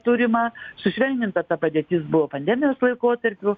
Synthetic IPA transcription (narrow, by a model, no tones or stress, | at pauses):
t̪uɾʲɪmɑsʊʃʲʋʲɛnʲd̪ʲɪnt̪ɐt̪ɐpɐd̪ʲeːt̪ʲɪsbʊʋoːpɐnʲd̪ʲɛmʲɪjoːslˠɐɪkoːt̪ɐɾʲpʲʊ